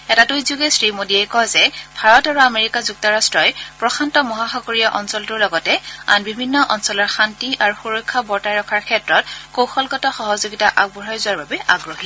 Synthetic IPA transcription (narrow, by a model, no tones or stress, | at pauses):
ɛtatujzuɡɛsɹimodiɛjkɔjzɛbʱaɹɔtaɹuameɹikazuk̚tɔɹastɹɔjpɹɔxʰantɔmɔɦaxɔkoɹijaʔɔnsɔltʊɹlɔɡɔtɛa̰nbibʱinːɔʔɔnsɔlɔɹxantiʔaɹuxuɹɔjkʰːabɔɹtajɹɔkʰaɹkʰɛtɹɔt̚kowxɔlɡɔtɔxɔɦɔzoɡitaʔaɡ̚bɔɹajzʊwaɹbabɛʔa̰ɡɹoɦi